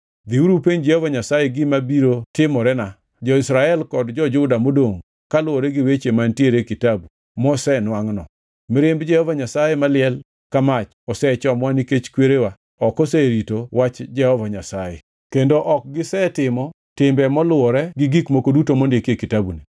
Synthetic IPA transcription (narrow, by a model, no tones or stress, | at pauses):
d̪iuɾupeɲd͡ʒɛhɔvaɲasajeɡɪmabiɾotɪmɔɾɛna | d͡ʒɔɪsɾaɛlkɔdd͡ʒɔd͡ʒʊdamodoŋ | kalʊwɔɾɛɡɪwet͡ʃemantieɾekitabu | mɔsɛnwaŋnɔ | mɪɾɪmbd͡ʒɛhɔvaɲasajɛmalɪɛl | kamat͡ʃ | ɔsɛt͡ʃɔmwaniket͡ʃkweɾewa | ɔkɔsɛɾitowat͡ʃd͡ʒɛhɔvaɲasajḛ | kendoʔɔk̚ɡɪsɛtɪmɔ | tɪmbɛmɔlʊɔɾɛɡɪɡikmokodutomondɪekekitabuni